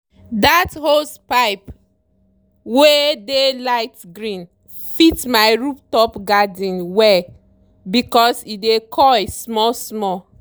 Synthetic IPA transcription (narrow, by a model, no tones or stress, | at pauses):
dathospaɪp | wedelaɪtɡɹĩn | fitmaɪɹuptɔpɡadĩnwɛ | bikɔsidekʰɔjsmɔsmɔ